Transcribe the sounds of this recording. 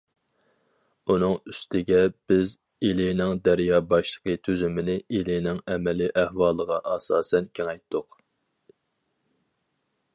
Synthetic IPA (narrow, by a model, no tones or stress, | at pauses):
un̪ɨŋyst̪ʰɪɡʲɛb̥ɪz | elɪnɪŋd̪æɾjɑːbɑʃlˠə̥qʰət̪ʰyzymɪnɪʔilɪnɪŋɛmɛlɪʔæhwɑːlˠəʁɑʔɑsɑːsɛnkʲʰeŋɛjt̪ʰːʊq